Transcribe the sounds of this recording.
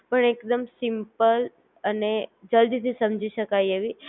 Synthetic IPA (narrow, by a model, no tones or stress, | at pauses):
pəɳekd̪əmsimpəl | əned͡ʒəld̪it̪ʰisəmd͡ʒiʃəkajeʋi